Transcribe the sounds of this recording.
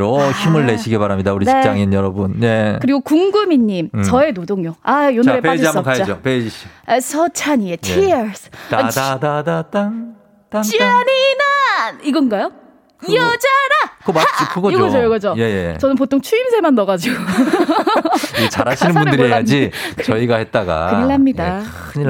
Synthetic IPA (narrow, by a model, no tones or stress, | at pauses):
oçimɯɭːe̞ɕʰiɡepaɾamɲidauɾidie̥it͡ɕ͈aŋinjʌɾʌbunje̞kɯɾiɡokuŋɡɯmiɲːimt͡ɕʌe̞nodoŋjoajonɾepad͡ʑiamʌkajaoped͡ʑiɕisʰʌt͡ɕʰaɲietʰisadadadataŋ | tat͡ɕianinaniɡʌnɡajo | iʌd͡ʑaɾakomaaikuɡʌoɡʌd͡ʑojoɡʌd͡ʑoje̞jḛt͡ɕʌnɯnpotʰoŋt͡ɕʰuimsʰemanːʌɣad͡ʑiɡo | t͡ɕa̰ɾaɕʰinnɯnmbunɾɯdɯɾɾiɦejad͡ʑit͡ɕʌiɡahet̚t͈aɡa̰kɯɲiɭamɲida | ɯɲi